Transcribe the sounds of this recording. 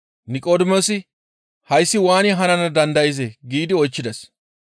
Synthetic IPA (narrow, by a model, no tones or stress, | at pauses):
nɪkʼoːd̪ɪmosɪ | hɐjsːɪwaːnɪɦɐnɐnɐd̪ɐnd̪ɐjɪzeɡiːd̪ɪɔjt͡ʃːɪd̪ɐs